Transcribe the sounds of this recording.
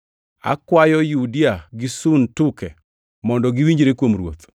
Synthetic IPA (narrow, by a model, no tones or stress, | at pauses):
a̰kwajɔjudiaɡɪsuntʊkɛ | mɔndɔɡɪwiɲd͡ʒɾekwomɾwo̰t̪